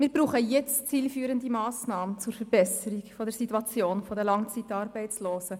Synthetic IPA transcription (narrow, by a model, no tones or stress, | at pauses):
mɪːɾb̥ɾuːχəjɛt͡st͡siːlfyːɾəndimɑːsnɑːmənt͡sʊɾfɛɾb̥ɛsəɾikfɔdɛɾsituɑt͡sjoːnfɔdəlɑŋt͡sitɑːɾbɛɪt͡sloːsə